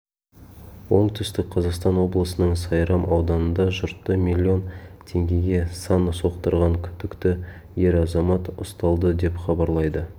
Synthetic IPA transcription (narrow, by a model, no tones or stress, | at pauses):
wo̞ɴt̪ʰʏst̪ɪk̚qʰɑzɑqst̪ɑnwo̞blˠəsənəɴsɑjɾɑmʔɑwd̪ɑnənd̪ɑʒʊɾt̪ːəmilʲːio̞nt̪ʰe̞ŋɡʲe̞ɡʲe̞sɑnso̞qt̪əɾʁɑŋkʲʰʏnd̪ɪkt̪ɪ | je̞ɾɑzɑmɑt̪ʊ̰st̪ɑlˠd̪əd̪e̞pχɑbɑɾlˠɑjd̪ə